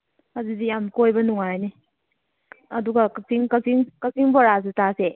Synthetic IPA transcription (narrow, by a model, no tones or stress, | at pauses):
ɐzudijamkojbɐnuŋajni | ɐduɡɐkɐtiŋkɐsiŋkɐsiŋbɔɾas̬utase